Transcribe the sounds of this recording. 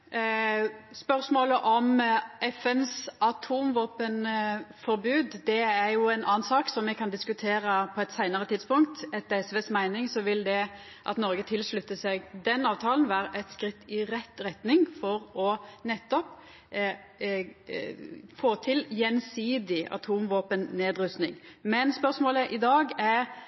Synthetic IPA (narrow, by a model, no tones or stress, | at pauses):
spœʁsmoːləʔɔmʔɛfɛnsɑt̪ʰuːmʋoːpənfɔɾbʉːd̪d̪ɛæɾjʊæɪnʔɑːnsɑːksɔmɛkʰɑnd̪ɪskʉt̪ʰeːɾɑpʰɔɛt̪sæɪnəʁət̪ʰɪd̪spʊŋk̚t̪ɛt̪̚ɛɛsʋeːsmæɪnɪŋsɔʋɪld̪ɛ | ʔɑ̰t̪nɔɾɡət̪ʰɪlslʉt̪ːəsɛɡd̪ɛnːɑːʋt̪ʰɑːln̩ʋæːɾəʔɛt̪skɾɪt̪ːɪɾɛt̪ːɾɛt̪nɪŋfɔɾɔnɛt̪ːɔp | foːt̪ʰɪljɛnsiːd̪ɪʔɑ̰t̪ʰuːmʋoːpənneːd̪ɾʉst̪nɪŋmɛnspœʁsmoːləʔɪd̪ɑːɡæɾ